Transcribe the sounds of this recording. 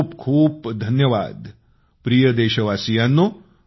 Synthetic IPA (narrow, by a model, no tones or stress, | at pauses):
bkʰuːbd̪ʱɐnjəʋa̰ːd̪ | pɾijəd̪eːʃɐʋaːsijaːnːu